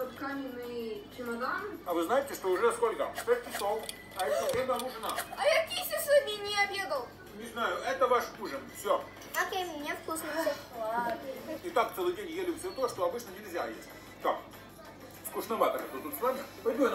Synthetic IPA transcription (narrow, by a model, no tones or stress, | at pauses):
ot̪kamʲɪnɨt͡ʃɪnɐd̪anɐvɨznajɪtʲɪʂt̪o̞ʊʐɛskolʲkəst̪ʲekʲɪsolˠ | ɐɛoɾʲed̪ɐmuʐɨnaɐjakʲisʲɪʂɨmʲinʲɪɐbʲjed̪əlˠ | nʲɪznajʊʔɛt̪əvaʂuʐənfsʲo | okʲejmʲnʲet̪fkuʂnɐ | ɪt̪ak̚t̪sɛlˠɨdʲenʲjelʲɪsʲet̪oʂt̪oɐbɨt͡ɕnənʲɪlʲzʲa̰jḛsʲtʲ | t̪ak | fkʊʂnɐvat̪əkət̪ot̪ut̪svamʲɪpɐbʲu